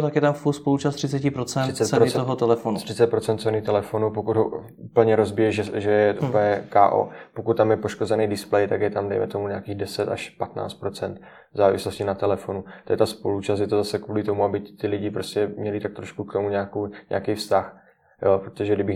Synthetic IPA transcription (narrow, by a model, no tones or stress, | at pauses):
t̪akjɛt̪amfulspolut͡ʃast̪r̥ɪt͡sɛcɪpɾot͡sɛnt͡sɛt̪sɛooɦot̪ɛlɛfonut̪r̥ɪt͡sɛt̪̚pɾot͡sɛnt̪t͡sɛnit̪ɛlɛfo̞nupokud̪ɦo | upl̩ɲɛɾo̞zbɪjɛʒɛʒɛjɛʔupɲɛkaːʔo̰po̞kut̪tːamjɛpo̞ʃkozɛnijdɪsplɛjt̪aɡjɛt̪amdɛ̰jmɛ̰t̪o̞muɲaːkiːɣdɛsɛt̪a̰ʃpat̪na̰ːt͡st̪pɾo̞t͡sɛnt̪ | vzaːvɪ̰slo̞scɪnat̪ɛlɛfo̞nut̪ojɛt̪aspo̞lut͡ʃast̪jɛt̪ozasɛkvuːlɪt̪o̞muabɪt̪ɪlɪɟɪpɾo̞scɛmɲɛlɪt̪ak̚t̪ɾo̞ʃkukt̪omuɲaːkoɲa̰akɛjfst̪ax | jopɾot̪oʒɛdɪbɪ